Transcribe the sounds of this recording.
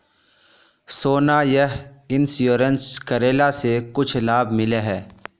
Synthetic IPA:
soːnaːjəɦɪnsjoːɾənskəɾeːlasekʊt͡ʃʰlaːbmɪleɦɛː

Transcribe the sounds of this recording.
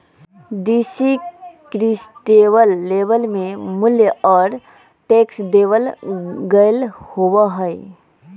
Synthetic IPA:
ɖisikɾisʈebəlːebəlmemʊljəɔːɾ | ʈeksd̪eʋəlɡəɪlhobəɦəe

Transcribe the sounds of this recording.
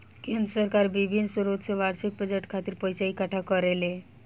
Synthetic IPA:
kend̪ɾəsəɾkaɾbibʱinsuɾut̪seʋaɾsik̚bɾəd͡ʒeʈkʰat̪iɾpəjsaikaʈʰakəɾele

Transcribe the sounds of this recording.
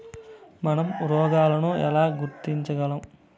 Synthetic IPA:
mɐnɐmuɾɔːɡaːlɐnuɛ̰laːɡuɾt̪iɲt͡ʃɐɡɐlɐm

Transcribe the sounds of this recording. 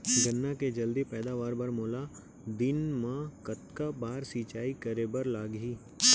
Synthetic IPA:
ɡɐnːaked͡ʒɐld̪ipɛːd̪aʋaːɾbɐɾmoːla | d̪ɪnmãkɐt̪kabaːɾsiːt͡ʃaːikɐɾebəɾlaːɡɦiː

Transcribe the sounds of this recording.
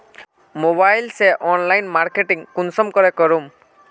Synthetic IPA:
moβajlsɛʔɔnlajnmaɾkeʈiŋkunsɔmkɔɾekɔɾum

